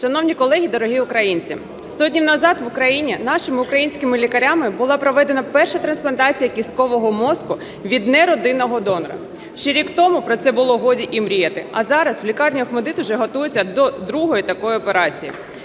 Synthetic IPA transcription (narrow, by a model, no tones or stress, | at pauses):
ʃɐnɔwnʲikɔlˠɛɦʲid̪ɔɾɔɦʲiʊkɾɐjinʲt͡sʲḭ | st̪ɔdʲnʲiwnɐzɑt̪ʋʊkɾɐjinʲinɑʃɪmɪʊkɾɐjinʲsʲkɪmɪlʲikɐɾʲamɪbʊlˠɑpɾɔʋɛd̪enɐpɛrʃɐt̪ɾɐnsplˠɐnt̪ɑt͡sʲijɐkʲist̪̚kɔʋɔɦɔmɔskʊ | ʋʲid̪nɛɾɔd̪ɪnɔɦɔd̪ɔnɔɾɐ̰ | ʃt͡ʃɛɾʲikt̪ɔmʊpɾɔt̪sɛbʊlˠɔɦɔdʲiʔimɾʲijɛt̪ɪɐzɑɾɐsʋlʲikɑrnʲiɔxmɔd̪ɪt̪ʊʒɛɦɔt̪ujʊt͡sʲːɐd̪ɔd̪ɾuɦɔjit̪ɐkɔjɪɔpeɾɑt͡sʲijḭ